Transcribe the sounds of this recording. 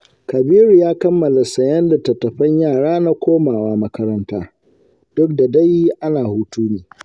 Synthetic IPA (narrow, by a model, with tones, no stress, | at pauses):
kɐ˨biː˦ɾu˨jaː˦kɐ˦mːɐ˨la˨sɐ˨jɐ˦nda˨tɐ˨tːɐ˨ɸɐ˦ɲjaː˦˨ɽaː˦na˦kʷoː˦maː˨waː˨mɐ˦kɐ˦ɾɐ˦ntaː˦ | d̥ʊ˦k̚da˨da˦ji˦ʔa˦naː˨huː˦tuː˦neː˨